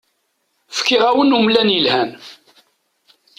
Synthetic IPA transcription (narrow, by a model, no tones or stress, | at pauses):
fkːiʁæwənumlænjəlhæn